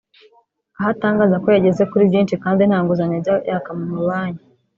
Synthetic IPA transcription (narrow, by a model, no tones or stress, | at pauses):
ahataːŋɡaːzakojaɟe̞zekuɾibɟiːnʃikaːndin̥haːŋɡuzaɲebɟajaːkamumuβaːɲa